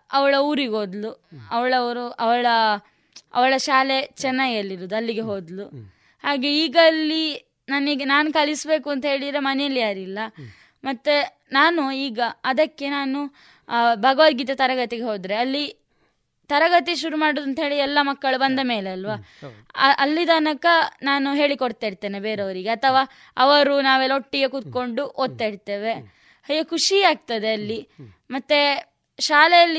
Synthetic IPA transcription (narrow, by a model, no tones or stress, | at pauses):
ɐʋɐɭɐuːɾiɡo̞ːd̪luɐʋɐɭɐʋɐɾuʔɐʋɐɭɐ | ɐ̰ʋɐɭɐʃaːle̞t͡ʃɛnːaːɡiɐlːiɾoːd̪uɐlːiɡeɦo̞ːd̪lu | haːɡe̞iːɡɐːlːi | naːniːɡɐnaːnukɐlisbe̞ːkuɐnt̪ɐɦeːɭid̪ɾemɐnɛjɐlːijaːɾilːɐ | mɐt̪ːe | naːnuiːɡɐɐd̪ɐkːe̞naːnu | bʱɐɡɐʋad̪ɡit̪ɐt̪ɐɾɐɡɐt̪iɡeɦo̞ːd̪ɾe̞ɐlːi | t̪ɐɾɐɡɐt̪̬iʃuɾumaːɽod̪ɐnt̪ɐɦe̞ːɭiɛlːɐmɐkːɐɭubɐnd̪ɐmeːleɐlʋa | ʔɐlːid̪ɐnɐkɐnaːnuɦe̞ːɭikoɽt̪aːjiɾt̪eːnebeːɾeɐʋɐɾiɡe̞ɐt̪ʰɐʋaː | ɐʋɐɾunaːʋeloʈːiɡekut̪̚ko̞ɳɖuʔoːd̪̚t̪ːajiɾt̪e̞ːʋe̞ | ɐjɐkʰuʂiaːɡ̚t̪ɐd̪e̞ɐlːi | mɐt̪ːe | ʃaːlejɐlːi